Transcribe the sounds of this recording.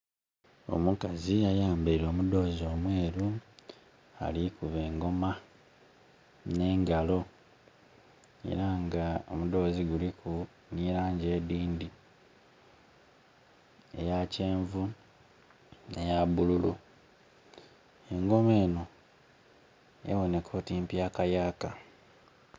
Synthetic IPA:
o̞̰mukaziajaːmbeiɾo̞ːmudo̞ːzo̞ːmweːɾu | a̰likuβe̞ːŋɡo̞ma | ne̞ŋɡalo̞ | e̞̰ɾaŋɡao̰mud̪o̞ːziɡuliku | niɾaːɲɟe̞ːdiːndi | e̞̰jace̞ːɱvu | ne̞jabululṵ | e̞ŋɡo̞me̞ːno | ḛβo̞ne̞kʰo̞ːtimpjakajaːka

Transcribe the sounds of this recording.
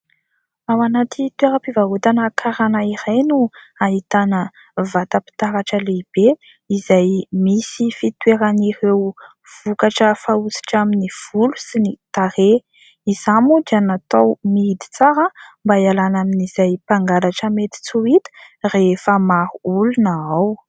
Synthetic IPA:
awanat̪it̪weɾəpivaɦut̪anəkʰaɾanaiɾajnuaɦit̪anə | vat̪api̥t̪aɾaʈ͡ʂəleib̥e | izajmisifit̪weɾaniɾew | v̥ukaʈ͡ʂəfausi̥ʈ͡ʂaminiv̥ulu̥sinit̪aɾe | izamud͡ʒanat̪awmiid̪i̥t͡saɾəmbaialanaminiz̥ajpaŋɡaɾaʈ͡ʂəmet̪i̥t͡suit̪ə̥refəmaɾuulunaaw

